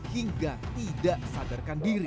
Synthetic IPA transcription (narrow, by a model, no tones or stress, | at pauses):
hiŋɡat̪idaʔsadarkandiɾi